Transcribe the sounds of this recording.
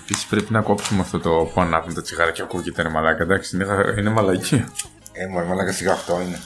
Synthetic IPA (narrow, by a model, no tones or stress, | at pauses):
episi̥spɾe̞pinɐko̞psumeɐft̪o̞t̪opuɐnɐvunt̪ɐt͡siɣɐɾɐceokucit̪enemɐlɐkɐd̪ɐksi̥ineɣɐine̞mɐlɐci | emoɾimɐlɐkɐsiɣɐːft̪o̞ine